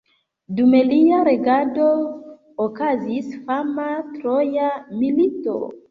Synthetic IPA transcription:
dumeliaɾe̞ɡado | okazisfamatɾojamilito̞̰

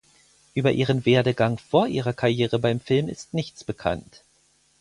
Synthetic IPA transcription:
ʔyːbɐʔiːʁ̞ənveːɐdəɡaŋfoːɐʔiːʁɐkʰaʁjeːʁəbaɪmfɪlmɪ̰stnɪçt͡sb̥əkʰa̰nt

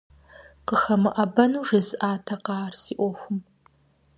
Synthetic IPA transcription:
qəxɐmɨʔɐbɐnuːʐɨzʔaːtʰɐqɑːrsiːʔʷoxʷʊm

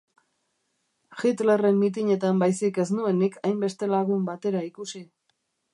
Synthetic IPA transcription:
ʝit̪lere̞mːit̪̬iɲe̞t̪ambajsike̞snue̞nikajmbe̞st̪e̞laɣumbat̪e̞ɾaikusi

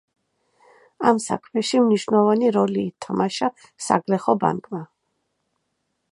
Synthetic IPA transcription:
amsa̰kʰmɛʃimniʃvnɛlˠvaniɾɔliːt̪ʰamaʃa | sa̰ɡlɛχɔba̰ŋkʼma

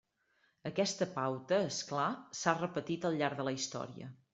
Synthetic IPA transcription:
əkɛst̪əpawt̪əesklasarəpət̪it̪əlˠʎːaɾðələist̪ɔ̰ɾiə̰

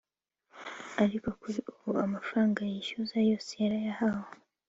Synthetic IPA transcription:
alikokuuuamafaŋɡajiʃuzaijɔsiaɾajahawɔ

